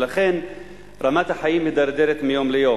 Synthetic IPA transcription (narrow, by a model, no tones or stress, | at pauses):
laχen | ɾamat̪haħajimid̪aɾd̪eɾet̪mijoːmlejoː